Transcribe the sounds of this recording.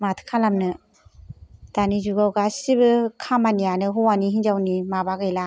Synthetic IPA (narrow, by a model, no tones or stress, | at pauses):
matʰkʰalamnɯ | d̥anizuɡawɡasibɯkʰamanijanɯɦɔwaniɦinzawnimabaɡɯjla